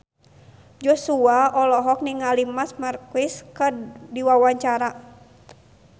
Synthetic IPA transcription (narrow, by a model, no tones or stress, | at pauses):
d͡ʒɔsuaɔlɔɦɔk̚niŋalimasmarkiskədiwawaɲt͡ʃaɾa